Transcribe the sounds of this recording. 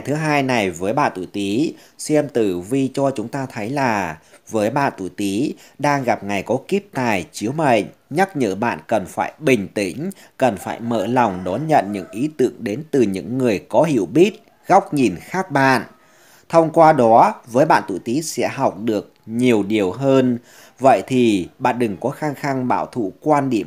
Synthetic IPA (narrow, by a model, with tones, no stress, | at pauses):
jt̪ʰɨ˨˦ɦaː˧jna˨˩jvəː˨˦jɓa̰ː˧˨nt̪ṵ˧˨t̪i˨˦sɛ˧mt̪ɨ˨˩vi˧t͡ɕɔ˧t͡ɕʊ˨˦ŋ͡mt̪aː˧t̪ʰə˨˦jlaː˨˩vəː˨˦jɓa̰ː˧˨nt̪ṵ˧˨t̪i˨˦ɗaː˧ŋɣa˨˩p̚ŋa˨˩jkɔ˨˦ki˦˥p̚t̪aː˨˩jt͡ɕi˨˦əwmə̰˧˨ŋ̟ɲa˦˥k̚ɲɨ̰ː˧˥ɓa̰ː˧˨nkə˨˩nfa̰ː˧˩jɓï˨˩ŋ̟t̪ï˧˩ŋ̟ | kə˨˩nfaː˧˩jmə̰ː˧la˨˩wŋ͡mɗɔ˨˦nɲə̰˧˨nɲɨ̰˧˥ŋʔi˨˦t̪ɨ̰˧˨əŋɗe˨˦nt̪ɨ˨˩ɲɨ̰˧˥ŋːɨ˨˩əjkɔ˨˦ɦḭ˧˩əwɓi˦˥t̚ | ɣa˦˥wk͡p̚ɲi˨˩nxaː˦˥k̚ɓa̰ː˧˨n | t̪ʰə˧wŋ͡mkwaː˧ɗɔ˨˦vəː˨˦jɓa̰ː˧˨nt̪ṵ˧˨jt̪i˨˦sɛ̰˧˥ɦa˨˩wk͡p̚ɗɨ˨˩ək̚ɲi˨˩əwɗi˨˩əwɦəː˧n | və̰˧˨jt̪ʰi˨˩ɓa̰ː˧˨nɗɨ˨˩ŋkɔ˨˦xaː˧ŋxa˧ŋɓa̰ː˧˨wt̪ʰṵ˧˩kwaː˧nɗḭ˧˩əm